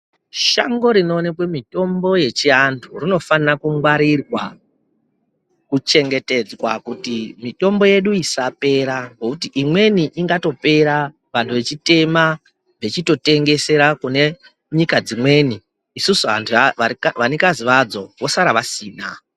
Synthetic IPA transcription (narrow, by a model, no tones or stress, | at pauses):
ʃaŋɡo̞ɾino̞nekwemito̞mbo̞je̞t͡ʃiantʰurino̞fanirakuŋɡwaɾirwa | kut͡ʃe̞ŋɡe̞te̞d͡zwakutimito̞mbo̞je̞ɗuisape̞ɾaŋɡokutiʔimwe̞niʔiŋɡato̞pe̞ɾa | ʋantʰuʋe̞t͡ʃite̞ma | ʋet͡ʃito̞te̞ŋɡe̞se̞ɾakune̞ | ɲikad͡zimwe̞niː | susuatʰaʋanikaziʋad͡zo̞ʋo̞saɾaʋasiːna